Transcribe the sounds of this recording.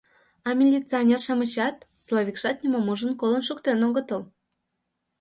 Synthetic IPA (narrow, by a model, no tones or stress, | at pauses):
ɑmʲelʲit͡sɨonʲerʃɑmə̆ɕɑt̪slˠoβʲikʃɑt̪nʲumomuʒənkolənʃukt̪enoɣət̪əl